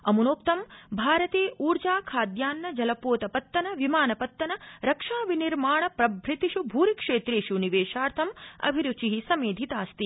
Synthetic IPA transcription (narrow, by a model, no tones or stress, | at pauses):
ɐmunoːp̚t̪ɐmbʱaːɾɐt̪eːʔuːɾd͡ʒaːkʰaːd̪jaːnːɐd͡ʒɐlɐpoːt̪ɐpɐt̪ːɐnɐʋimaːnɐpɐt̪ːɐnɐɾɐkʂaːʋiniɾmaːɳɐpɾɐbʱɾit̪iʃubʱuːɾikʂeːt̪ɾeːʃuniʋeːʂaːɾt̪ʰɐmɐ̰bʱiɾut͡ʃiɦisɐmeːd̪ʱit̪aːst̪i